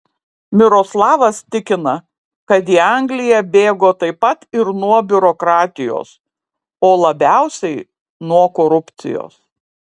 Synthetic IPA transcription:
mʲɪɾoːslˠɑːʋɐst̪ʲɪkʲɪnɐ | kɐt̪iːɐŋɡlʲɪjɛbʲeːɡoːt̪ɐɪpɐt̪ɪɾnuɔbʲʊɾoːkɾɑːt̪ʲɪjo̰ːs | oːlˠɐbʲæˑʊsʲɛɪ | nuɔkoːɾʊpʲt̪sʲɪ̰jo̰ːs

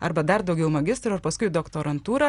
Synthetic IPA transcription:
ɐ̰ɾbɐd̪ɐɾd̪ɒʊɡʲɛʊmɐɡʲɪst̪ɾʊɐɾpɐskʊɪd̪oːkt̪oːɾɐnt̪uːɾɐ

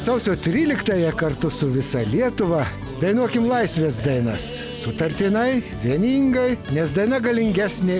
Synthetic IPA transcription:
sɐʊsʲoːt̪ʲɾʲiːlʲɪkt̪ɐːjɛkɐɾt̪ʊsʊʋʲɪsɐlʲiɛt̪ʊʋɐ | d̪ɐɪnuɔkʲɪmlˠɐɪsʲʋʲeːs̬d̪ɐɪnɐs | sʊt̪ɐɾʲt̪ʲɪnɐɪ | ʋʲiɛnʲiːŋɡɐɪnʲɛsd̪ɐɪnɐɡɐlʲɪŋʲɡʲæːsʲnʲe

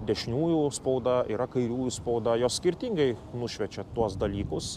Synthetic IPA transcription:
d̪ʲɛʃʲnʲuːjuspɐʊd̪ɐiːɾɐkɐɪɾʲuːjuspɐʊd̪ɐjoːssʲkʲɪɾʲt̪ʲiŋɡɐɪnʊʃʲʋʲɛt͡ʃʲɛt̪uɔsd̪ɐlʲiːkʊs

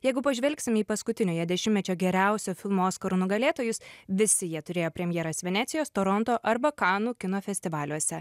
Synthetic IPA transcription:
jɛɪɡʊpɐʒʲʋʲɛlʲksʲɪmiːpɐskʊt̪ʲɪnʲoːjɛd̪ʲɛʃʲɪmʲmʲɛt͡ʃʲoːɡʲɛɾʲæˑʊsʲoːfʲɪlˠmooːskɐɾunʊɡɐlʲeːt̪oːjʊsʋʲɪsʲɪjiɛt̪ʊɾʲeːjoːpʲɾʲɛmʲjɛːɾɐsʋʲɛnʲæːt̪sʲɪjoːst̪oːɾɔnt̪oːʔɐɾbɐkɑːnuːkʲɪnoːfʲɛsʲt̪ʲɪʋɑːlʲuɔsʲɛ

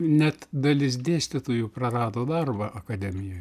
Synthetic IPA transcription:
nʲɛt̪d̪ɐlʲɪs̬d̪ʲeːsʲt̪ʲɪt̪oːjuːpɾɐrɑːd̪oːd̪ɐrbɐʔɐkɐd̪ʲɛmʲɪjoːj

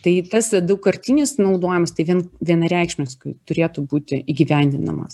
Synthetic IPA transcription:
t̪ɐɪt̪ɐsd̪ɐʊkɐɾʲt̪ʲinʲɪsnɐʊd̪oːjɪmɐst̪ɐɪʋʲiɛnʋʲiɛnɐɾʲæˑɪkʃʲnʲoskʊɪt̪ʊɾʲeːt̪ubuːt̪ʲɪʔiːɡʲɪʋʲɛnʲd̪ʲɪnɐ̰mɐ̰s

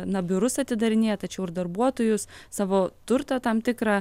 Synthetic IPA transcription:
nɐbʲʊɾʊsɐt̪ʲɪd̪ɐɾʲɪnʲeːjɛt̪ɐt͡ʃʲɛʊɪrd̪ɐrbuɔt̪oːjʊssɑːʋoːt̪ʊɾt̪ɑt̪ɐmt̪ʲɪkɾɑː

